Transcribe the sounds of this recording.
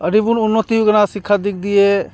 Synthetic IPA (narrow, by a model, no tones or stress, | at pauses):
əɾibunʊnːot̪iuɡənãsɪkʰːad̪ɪk̚ʰd̪iɛː